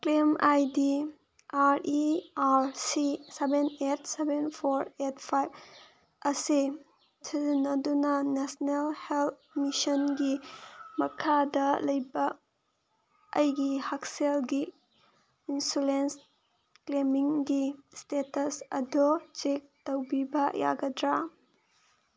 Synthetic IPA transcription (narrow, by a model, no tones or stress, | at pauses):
klemajdi | aɾiaɾsisebenet̚ʰsebenpʰoɾetpʰajb | ɐsi | tʰinɐdunɐnesnelhelt̪̚misɔnɡimɐkʰadɐlɐjbɐ | ɐjɡihak̚selɡiː | nsulens | klemiŋɡistetɐsɐ̰dot͡ʃek̚tɐwbibɐja̰ɡɐdɾa